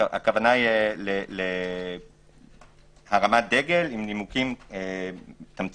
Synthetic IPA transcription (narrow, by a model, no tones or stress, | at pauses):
ʔa̰kavanajelele | haʁamad̪eɡe̞limnimukimet̪amt͡s